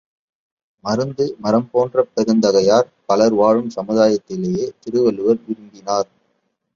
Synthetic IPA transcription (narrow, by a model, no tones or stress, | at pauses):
mɐɾɯnd̪ɯmɐɾɐmpoːndrɐpːɛɾɯnd̪ɐɣɐjaːɾ | pɐlɐɾʋaːɻɯmsɐmɯðaːjɐt̪ːɪlejeːt̪ɪɾɯʋɐɭɯʋɐɾʋɪɾɯmd̪ɪnaːɾ